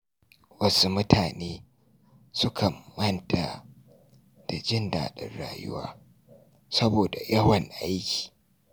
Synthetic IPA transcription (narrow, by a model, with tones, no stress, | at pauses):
wɐ˦su˦mʊ˦tʰaː˨neː˦ | sʊ˦kʰa˨mɐ˦ntʰa˨ | d̥a˨d͡ʒɪ˦nda̰ː˨ɗɪ̰˦nɽa̰ː˨jʊ̰˦wa̰ː˦ | sɐ˦boː˨da˨jɐ˦wɐ˨ŋʔa˦jkʲi̥ː˨